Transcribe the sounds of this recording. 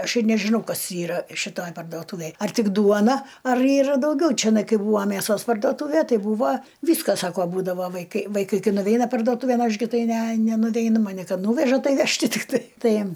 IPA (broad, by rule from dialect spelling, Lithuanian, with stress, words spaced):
ˈɐʃ ɪr nʲɛʒʲɪˈnɐʊ ˈkɐs ˈiːrɐ ʃʲɪˈtoːj pɐrdoːˈtuːʋʲeːj ɐr ˈtʲɪk ˈduɔnɐ ɐr ˈiːrɐ dɐʊˈɡʲɛʊ t͡ʃʲɪˈnɐɪ ˈkɐɪ ˈbuːʋɐ mʲæˈsoːs pɐrdoːˈtuːʋʲɛ ˈtɐɪ ˈbuːʋɐ ˈʋʲiːskɐ ˈsɑːkoː ˈbuːdɐʋoː ʋɐɪˈkɐɪ ʋɐɪˈkɐɪ ˈkɐɪ nʊˈʋʲɛɪnɐ pɐrdoːˈtuːʋʲeːn ˈɐʃ ɡʲɪ ˈtɐɪ ˈnʲɛ nʲɛnʊˈʋʲɛɪnʊ mɐˈnʲɪ ˈkɐt ˈnuːʋʲɛʒɐ ˈtɐɪ ˈɐʃ tʲɪkˈtɐɪ ˈtɐɪ